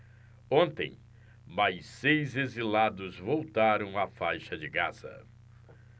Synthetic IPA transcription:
õnt̪ḛ̃j̃ | majsejzezilad̪ʊzvowt̪aɾɐ̃w̃afajʃɐd͡ʒɪɡaz̥ɐ̰

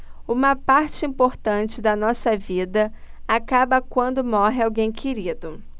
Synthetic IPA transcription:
ũmɐpaɾt͡ʃɪĩpoɾt̪ɐ̃t͡ʃɪd̪ɐnɔsɐvid̪ɐ | akabɐkwɐ̃nd̪ʊmɔɦɪawɡẽj̃kʰeɾid̪ʊ

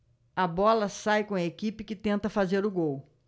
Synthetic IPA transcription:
ɐbɔlɐsajkõɐekipɪkɪt̪ẽnt̪ɐfazeɾʊɡow

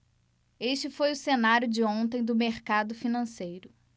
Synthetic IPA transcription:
eʃt͡ʃɪfojʊsenaɾjʊd͡ʒɪõt̪ẽj̃d̪ʊmeɾkad̪ʊfinɐ̃sejɾʊ

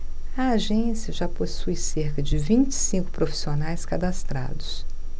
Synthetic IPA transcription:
ɐaʒẽsiɐʒaposujseɾkɐd͡ʒɪvĩt͡ʃɪ̥sĩkʊ̥pɾofi̥sionajskad̪ast̪ɾa̰d̪ʊs

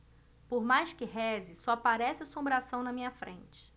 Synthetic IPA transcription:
poɾmajʃkɪɦɛzɪsɔapaɾɛsɪɐsõmbɾasɐ̃w̃nɐmĩɲɐfɾḛ̃nt͡ʃɪ̥

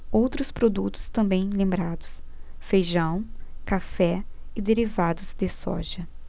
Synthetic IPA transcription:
owt̪ɾʊspɾod̪ut̪ʊ̥st̪ɐ̃mbẽj̃lẽmbɾad̪ʊs | fejʒɐ̃w̃kafɛɪd̪eɾivad̪ʊzd̪ɪsɔ̰ʒɐ

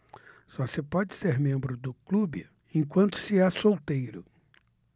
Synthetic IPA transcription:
sɔsepɔd͡ʒɪseɾmẽmbɾʊd̪ʊklubɪ̰ | ẽj̃kwɐ̃nt̪ʊ̥sɪɛsowt̪ejɾʊ

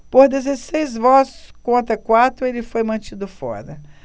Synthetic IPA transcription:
poɾd̪ezesejzvɔskõnt̪ɾɐkwat̪ɾʊelɪfojmɐ̃t͡ʃid̪ʊfɔ̰ɾɐ

